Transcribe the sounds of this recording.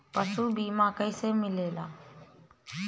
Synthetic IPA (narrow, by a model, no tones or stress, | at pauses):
pəsuːbiːmãːkəiːseːmɪleːlaː